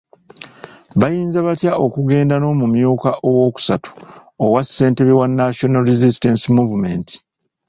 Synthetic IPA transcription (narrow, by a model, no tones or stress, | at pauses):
βajiːnzaβatjaʔo̞kuɡe̞ːndano̞mumjuːkaʔowo̞ːku̥satu̥owasːe̞ːnte̞βiwanːaʃo̞nalɾizistensimuvume̞̰ːnti̥